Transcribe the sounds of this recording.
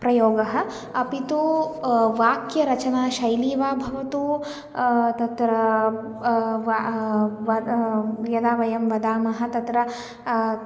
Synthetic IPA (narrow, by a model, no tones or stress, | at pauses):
pɾɐjoːɡɐɦɐ̆ | ɐpit̪oːʋaːkjɐɾɐt͡ʃɐnaːʃɐjliːʋaːbʱɐʋɐt̪uː | t̪ɐt̪ɾɐ | ʋ | ɐ | jɐd̪aːʋɐjɐmʋɐd̪aːmɐɦɐ̆t̪ɐt̪ɾɐ